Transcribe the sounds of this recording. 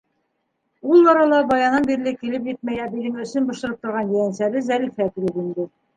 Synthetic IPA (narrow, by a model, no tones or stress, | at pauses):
ulˠːɒɾɑlˠɑbɑjɑnɑnbiɾlɘkilɘpjɘt̪̚mæjæbiðɘŋɵ̆sɘnbɤ̆ʃɤ̆ɾɤp̚t̪ŏɾʁɑnjijænsælɘzæɾifæk̪ilɘpind̪ɘ